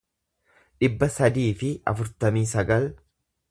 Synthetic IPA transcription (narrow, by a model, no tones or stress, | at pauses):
ᶑɪbːɐsɐd̪iːfɪɐ̰fʊɾt̪ɐmiːsɐɡɐl